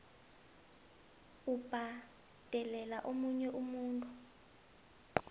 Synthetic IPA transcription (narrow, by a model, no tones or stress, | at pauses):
ub̥ʱa | d̥ʱɛlɛlaʔomuɲɛʔumuːntʼu